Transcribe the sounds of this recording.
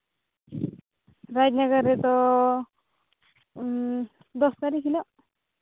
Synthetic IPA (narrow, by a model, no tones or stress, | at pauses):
ɾad͡ʒnaɡəɾet̪ɔ | d̪ɔst̪aɾikʰilɔ